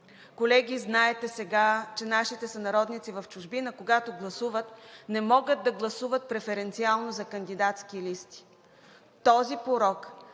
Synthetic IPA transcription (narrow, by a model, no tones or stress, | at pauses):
kolɛɡʲiznaɛt̪ɛsɛɡat͡ʃɛnaʃit̪ɛsɐnɐɾɔd̪nit̪sivɐft͡ʃʊʒbinəkoɡat̪oɡlˠɐsuvət̪nɛmɔɡəd̪̚d̪ɐɡlˠɐsuvət̪̚pɾɛfɛɾɛnt̪sialˠnozɐkənd̪id̪at̪skilist̪i̥ | t̪ɔzipoɾɔk